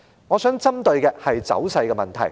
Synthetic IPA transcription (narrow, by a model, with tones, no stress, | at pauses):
ŋɔː˨˧sœː˨˥ŋt͡sɐ˥mt̪ɵ˧ɥkɛː˧hɐ˨jt͡sɐ̰˨˥wsɐ˧jkɛ˧mɐ˨˩nt̪ʰɐ̰˨˩j